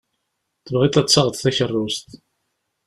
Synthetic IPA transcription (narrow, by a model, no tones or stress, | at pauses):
θəvʁit̪æt͡sːɑʁət̪θæçərˤːust̪